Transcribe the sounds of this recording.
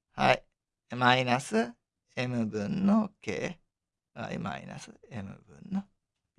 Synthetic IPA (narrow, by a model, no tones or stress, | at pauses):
ha̰j | majinasɨ | emɯbɯnːokḛ | a̰ḭma̰ḭna̰sɨemɯ̰bɯ̰nːo